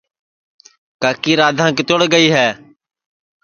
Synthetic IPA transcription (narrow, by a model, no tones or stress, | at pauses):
kaːkiːɾaːd̪ʱãːkɪt̪ʊɽɡəiːɦɛː